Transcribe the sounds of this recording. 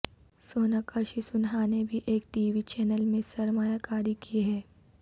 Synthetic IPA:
soːnakəʃisʊnɦanebʱiʔeːk̚ʈiːʋit͡ʃɛːnəlmẽsɐɾmaːjakaːɾikiɦɛː

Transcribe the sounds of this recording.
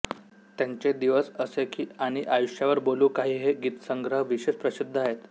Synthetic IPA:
t̪jaɲt͡ɕed̪iʋəsəsekiːaɽ̃iʔajuɕjaʋəɾboluːkaɦiːɦeɡiːt̪səŋɡɾəɦʋiɕespɾəsid̪ʱːaɦet̪

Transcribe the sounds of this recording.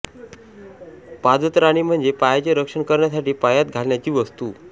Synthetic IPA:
pad͡z̪ət̪ɾaɽ̃im̤əɳd͡zepajt͡ɕeɾəkʂəɳkəɾɳjasaʈiːpajat̪̚ɡʱalɳjat͡ɕiːʋəst̪uː

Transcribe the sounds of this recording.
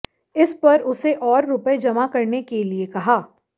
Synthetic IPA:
ɪspɐɾʊseʔɔːɾːʊpəed͡ʒɐmakɐɾnekeliekɐɦaː

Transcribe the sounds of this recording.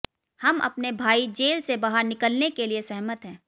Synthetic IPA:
hɐmɐ̰pnebʱaːid͡ʒeːlsebaɦəɾnɪkəlnekeliesɐɦmət̪ɦɛ̃ː

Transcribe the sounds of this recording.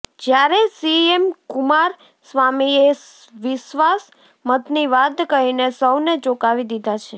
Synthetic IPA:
d͡ʒjaɾesiemkumaɾ | sʋamie | ʋɪʃʋas | mət̪niʋad̪kəɦinesəwned͡ʒokaʋid̪id̪ʱat͡ʃʰe

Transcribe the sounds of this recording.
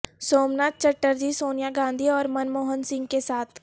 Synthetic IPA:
soːmnaːt̪̚t͡ʃəʈːəɾd͡ʒisoːnɪjaɡãːnd̪ʱiɔːɾmɐnmoːɦənsɪ̃ŋɡ̚kesaːt̪ʰ

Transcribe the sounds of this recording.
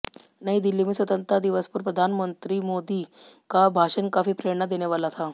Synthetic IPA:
naɦid̪ilːimiːsʋət̪ənt̪ɾəd̪iʋəspuːɾpɾəd̪ʱanmənt̪ɾiːmod̪ikabʱaɕənkafiːpɾeɾɳəd̪enjaʋalat̪ʰa

